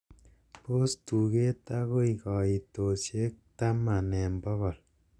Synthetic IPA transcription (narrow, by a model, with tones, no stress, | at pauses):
po˦stu˨ke˦ta˦ko˦i˨kɔ˨i˨to˨se˦k̚ta˦ma˨nɛ˨mbɔ˦ɣɔ˨l